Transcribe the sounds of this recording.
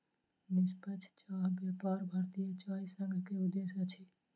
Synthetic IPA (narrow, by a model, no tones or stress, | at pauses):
nɪspət͡ʃʰt͡ʃaːɦbjɐpaːɾbʱaɾt̪ijət͡ʃaːisə̃ŋɡʱkeʊd̪ːesat͡ʃʰi